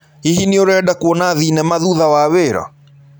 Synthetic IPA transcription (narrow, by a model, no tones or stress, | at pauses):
hiɦinioɾɛːdakuɔnaðinɛmaðuðawaweɾɔ̰